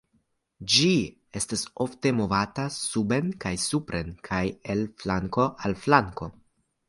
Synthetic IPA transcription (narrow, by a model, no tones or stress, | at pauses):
d͡ʒi | e̞staso̞fte̞mo̞vatasube̞nkajsupɾe̞nkʰaje̞lflaŋko̞ʔalflaŋko̞